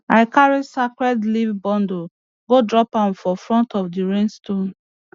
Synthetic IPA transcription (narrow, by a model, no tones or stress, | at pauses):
aɪkaɹisakɹɛdlivbɔ̃ndo | ɡodɹɔpãnfɔfɹɔ̃ntɔfdiɹẽnstõn